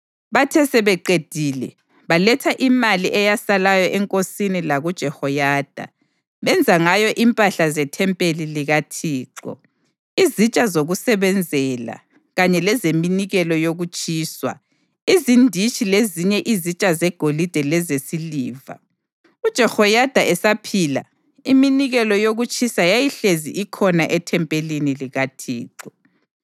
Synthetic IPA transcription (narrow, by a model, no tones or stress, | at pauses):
βatʰɛsɛβɛǃed̥ʱiːlɛ | βalɛtʰaʔimaliʔɛjasalajɔʔɛŋkʼosinilaɣud̥ʒ̥ʱɛhɔjaːd̥ʱa̰ | βɛnd͡zʱaŋajɔʔimpʼaɬazɛtʰɛmpʼeliliɣatʰiːǃɔ̰ | izit͡ʃʼazoɣusɛβɛnd͡zʱɛla̰ | ɣaɲɛlɛzeminiɣɛlɔjoɣut͡ʃʼiːswa̰ | izindʱit͡ʃʼileziɲɛʔizit͡ʃʼazɛɡ̥ʱolid̥ʱɛlɛzesiliːva̰ | ud̥ʒ̥ʱɛxɔjad̥ʱaɛsapʰila̰ | iminiɣɛlɔjoɣut͡ʃʼisajajiɬezḭʔikʰɔnaʔɛtʰɛmpʼeliniliɣatʰḭːǁɔ